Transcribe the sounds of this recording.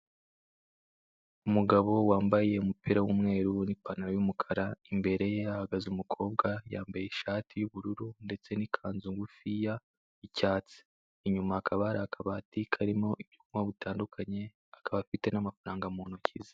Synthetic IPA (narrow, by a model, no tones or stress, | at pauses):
umuɡaβo̞waːmbaje̞umupiɾawumŋe̞ːɾunipanaɾojumukʰaɾaimbe̞ɾe̞jeahaɡazumukʰo̞ːbɡajaːmbajeiʃaːtʰijuβuɾuɾunde̞t͡se̞nikʰaːnzuŋɡufija | icaːt͡si̥ː | ɲumaːkʰaβaɾaːkʰaβatikʰaɾimo̞ʔiβjukumaβutaːndukʰaɲe̞ | akaβafite̞namafaɾaːŋɡamonocʰize